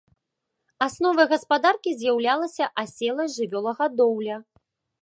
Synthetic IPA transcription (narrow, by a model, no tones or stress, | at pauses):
asnɔvɐɣɐspad̪arkʲizʲjawlʲalˠɐsʲɐʔasʲɛlˠɐjʐɨvʲɔlˠɐɣɐd̪ɔwlʲɐ